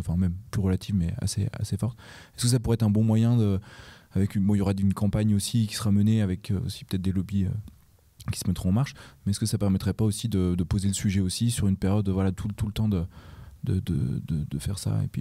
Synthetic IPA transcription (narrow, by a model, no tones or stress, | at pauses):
ɑ̃fɛ̃mɛmplyʁəlat̪ʰivmɛa̰sḛa̰sefɔʁt̪ɛskəs̬apuʁɛt̪χɛ̃bɔ̃mwajɛ̃d̪əavɛkybɔ̃iljɔʁaynkɑ̃paɲosikʲi̥səʁaməneavɛkʰø̰o̰si̥pət̪ɛt̪̚d̪elɔbiø̰ | kʲi̥səmɛt̪χʁɔ̃ɑ̃maʁʃmɛɛskəsapɛʁmɛt̪χɛpaosid̪əd̪əpozeləsyʒɛosisyʁynpɛʁjɔd̪vwalat̪ʰult̪ulət̪ɑ̃d̪əd̪ə̰d̪ə̰d̪ə̰d̪əfɛʁsa̰ḛpɥḭ